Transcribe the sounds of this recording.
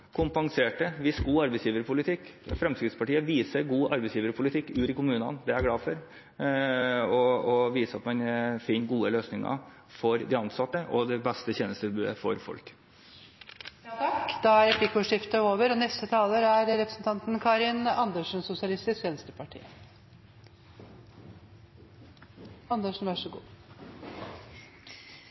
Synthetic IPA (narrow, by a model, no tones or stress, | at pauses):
kʰʊmpɑŋseːʈəʋɪsɡuːɑɾbɛsjiːʋəɾpʰʊlɪt̪ʰɪkːfɾɛmskɾɪt̪spɑʈiːəʋiːsəɾɡuːʔɑ̰ɾbɛɪsjiːʋəɾpʰʊlɪt̪ʰɪkːʉːɾəkʰʊmʉːnɑ̰nd̪ɛæɾɡɽɑːfɔɾ | ɔɔʋiːsəɑt̪mɛnfɪnɡuːəløːsnɪŋɑ̰ | fɔɾd̪ɪɑnsɑt̪ːəʔɔd̪ɛbɛst̪əçeːnəst̪əbʉːd̪əfɔ̰ɾfɔ̰lk | jt̪ʰɑkːd̪ɑæɾɛpʰlɪkːʊʂɪft̪əoːʋəɾɔnɛst̪ət̪ʰɑːləɾæɾɾɛpɾəsn̩t̪ʰɑnt̪n̩kʰɑːɾɪnɑnd̪əʂn̩sʊsɪɑlɪst̪ɪskʋeːnəst̪əpʰɑʈʰḭːə | ɑnd̪əʂn̩ʋæʂəɡṵː